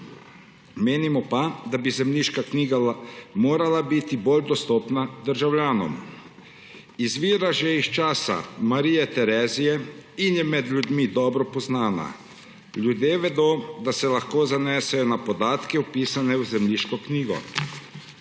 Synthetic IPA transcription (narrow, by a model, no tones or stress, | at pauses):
meːnimɔpad̪abizɛmliʃkakniːɡamoːɾalabit̪iboːld̪ɔst̪ɔːpnad̪əɾʒawljaːnɔ̰m | izʋiːɾaʒɛist͡ʃaːsa̰maɾiːjɛt̪ɛɾɛːzijɛinjɛmɛd̪lʲjud̪mid̪ɔːbɾɔpɔznaːna̰ | ljud̪jeːʋɛd̪oːd̪asɛlaxkoːzanɛːsɛjɔnapɔd̪aːt̪kɛupiːsanɛwzɛmliːʃkɔkniːɡɔ̰